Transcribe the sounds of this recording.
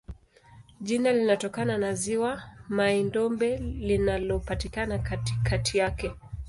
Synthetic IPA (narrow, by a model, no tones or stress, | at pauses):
ʄinalinatɔkananaziwamaɛndɔmbɛlinalɔpatikanakatikʰatʰijakɛ